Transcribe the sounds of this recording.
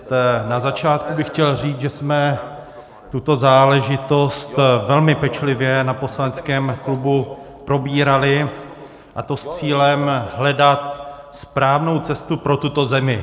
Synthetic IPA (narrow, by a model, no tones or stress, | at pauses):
nazat͡ʃaːt̪̚kubɪxcɛlr̝iːd͡zʒɛsmɛ | t̪ut̪o̞zaːlɛʒɪt̪o̞st̪vɛlmɪpɛt͡ʃlɪvjɛnapo̞slanɛt͡skɛːmklubu | pɾo̞biːɾalɪ | ʔa̰t̪o̞st͡siːlɛmɦlɛdat̪ | spɾaːvno̞wt͡sɛst̪upɾo̞t̪ut̪o̞zɛmɪ